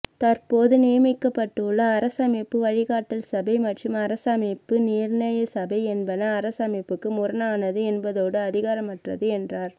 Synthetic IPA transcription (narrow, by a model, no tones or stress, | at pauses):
t̪ɐrpoːðɯnɪjɐmɪkːɐpːɐʈːɯɭːɐːɾɐsɐmeːpːɯʋɐɻɪɣaːʈːɐlsɐbɐɪmɐʈrɯmɐɾɐsɐmepːɯniːɾnɐjɐsɐbɐɪɛnbɐnɐːɾɐsɐmɪpːɯkːɯmʊɾɐnaːnɐðɯɛnbɐðoːɽɯɐðɪɣaːɾɐmɐʈrɐðɯɛndraːɾ